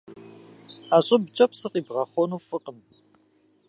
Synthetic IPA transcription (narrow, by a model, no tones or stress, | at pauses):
aːɕʼɐbt͡ʃʼɐpsɨqʼiːbʁɐχʷɔnuːfɨqʼən